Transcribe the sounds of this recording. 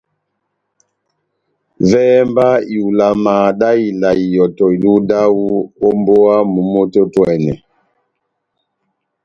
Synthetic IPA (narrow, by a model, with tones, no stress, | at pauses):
vɛː˦mba˦i˨u˨la˨ma˨ɗa˦i˨la˨i˨jɔ˨tɔ˨i˨lu˦da˦wu˦o˦mbo˦a˦mu˨mo˦to˦twɛ˨nɛ̰˨